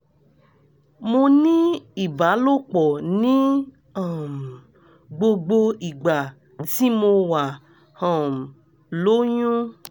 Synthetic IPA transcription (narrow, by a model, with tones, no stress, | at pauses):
mo˧nĩ˦i˦˨ba˨˦lo˦˨k͡pɔ˨nĩ˦ | a˦˨m˨ | ɡ͡bo˧ɡ͡bo˧i˨ɡ͡ba˨ | ti˦mo˧wa˨ | hɔ̃˨m˨ | lo˦jũ˦